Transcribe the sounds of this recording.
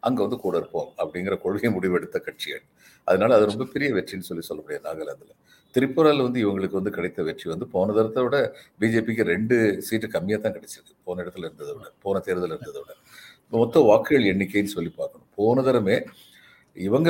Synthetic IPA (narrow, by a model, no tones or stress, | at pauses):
ʔɐ̰ŋɡeʋɐnd̪ɯkuːɽɐɾɯpːõːmɐpːɐɽɪŋɡɪɾɐkɔɻɣɐmʊɽɪʋɛɽɯt̪ːɐkɐʈt͡ʃɪjɐ̰ɭ | ʔɐðɐnaːlɐːðɯɾɔmbɐpɛɾɪjɐʋɛʈrinːɯsɔlːisɔlːɐkːʊɽɪjɐnaːɣɐlɐnd̪ɪlɐ | t̪ɪɾɪpːoɾaːlʋɐnd̪ɯɪʋɐŋɡɐɭɯkːɯʋɐnd̪ɯkɐɽɐɪt̪ːɐʋɛʈriʋɐnd̪ɯpoːnɐðɐɾɐt̪ːɐʋɪɽɐbiːd͡ʒeːpik̬ːɯɾɛɳɖɯsiːʈːɯkɐmːɪjaːt̪ãːkɐɽɛt͡ʃːɯɾɯkːɯ̥poːnɐɪɽɐt̪ːɯlɪɾɯnd̪ɐðɐʋɽɐpoːnɐt̪eːɾðɐlɪɾɯnd̪ɐðɐʋɪɽɐ | ɪpːɐmɔt̪ːɐ̃ʋaːkːɪɣɐɭɛɳːɪkːeːɪnːɯsɔlːipaːɾkɐɳʊ̰̃poːnɐðɐɾɐmeː | ɪʋɐŋɡɐ